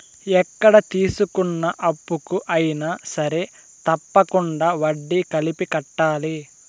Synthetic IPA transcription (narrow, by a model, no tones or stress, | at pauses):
ɛkːɐɽɐt̪iːsukunːɐʔɐpːukuʔɐjinɐsɐɾe | t̪ɐpːɐkuɳɖaʋɐɖːikɐlipikɐʈːaːli